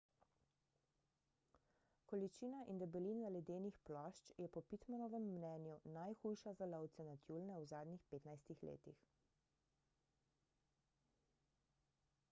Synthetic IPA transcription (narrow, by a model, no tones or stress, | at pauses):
kɔlit͡ʃiːnaʔind̪ɛbɛlinzalɛd̪eːnixplɔːʃt͡ʃjɛpɔpit̪manɔʋɛmːnɛːnjunajxujʃazalɔwt̪sɛnat̪juːlnɛwzaːd̪nixpeːt̪najst̪ixlḛːt̪ix